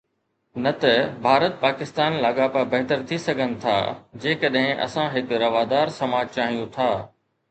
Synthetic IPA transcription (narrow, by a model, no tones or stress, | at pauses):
nɐt̪ɐbʱaːɾət̪̚paːkɪst̪aːnlaːɠapɐbɐɦt̪əɾt̪ʰisɐɡʱənɪ̆t̪ʰa̰ːd͡ʑeːkɐɗɦɪ̃ʔɐ̰sãɦɪkɾɐʋaːd̪aːɾsɐmaːd͡ʑt͡ɕaːɦijũt̪ʰaː